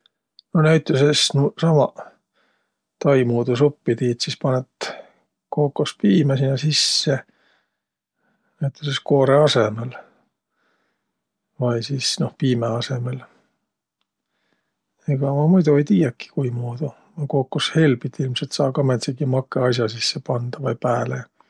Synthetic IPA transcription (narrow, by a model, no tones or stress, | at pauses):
nonæjt̪ˑːusesnusɑmɑ | t̪ɑjmuːd̪us̬opːit̪iːt̪sispɑnet̪ | koːkːospiːmesinːɑsisːe | næjt̪ːˑusesko̞ːɾeɑsemel | vɑjsiːsno̞hpiːmeɑse̞mel | eɡ̥ɑmɑmujd̪uejt̪iːjɑkːi̥kujmuːd̪̥u | mɑkoːkːushe̞lbit̪ːilmselt̪sɑːkɑmet̪seɡimɑkːˑeɑjs̬jɑsisːepɑnd̪̥ɑvɑjpæːle